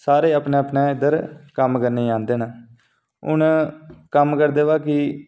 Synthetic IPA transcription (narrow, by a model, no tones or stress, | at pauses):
saːɾeːaːpnẽːəpnãːɪd̪əɾkəmkəɾneːãːnd̪eːnaː | ʊ̰nkəmkəɾd̪eːʋaːkɪ